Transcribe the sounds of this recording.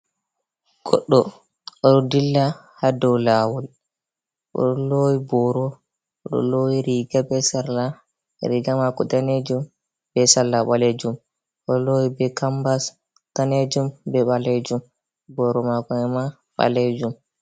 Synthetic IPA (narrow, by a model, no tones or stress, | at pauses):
ɡ̥ɔ̰ɗːɔ | ʔɔɗɔdilːa | hadɔwlawɔl | ʔɔ̰ɗɔlowibɔɾɔ | ɔɗɔ̰lowiɾiɡabɛsaɾla̰ | ɾiɡamakɔtaned͡ʒum | b̥ɛsalːaɓaled͡ʒum | ʔɔlowibɛkambas | taned͡ʒumbɛɓaled͡ʒum | bɔɾɔmakɔɛma | ɓa̰led͡ʒum